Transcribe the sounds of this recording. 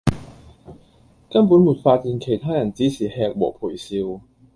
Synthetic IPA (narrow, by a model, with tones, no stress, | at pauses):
kɐ˥npu˨˥nmuː˨˩t̚faː˧t̚jiː˧nkʰe˨˩jt̪ʰaː˥jɐ˨˩nt͡siː˨˦˥siː˨˩hɛː˧k̚wɔ̰ː˨˩pʰuː˨˩jsiː˧w